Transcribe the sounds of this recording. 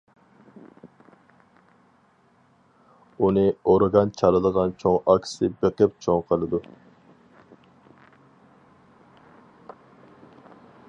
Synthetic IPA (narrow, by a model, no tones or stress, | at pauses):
unɪoɾɡɑnt͡ʃʰɑlˠɨd̪əʁɑnt͡ʃʰoŋɑkʲsɪbeqɪp̚t͡ʃʰoŋqʰəlˠɨd̪u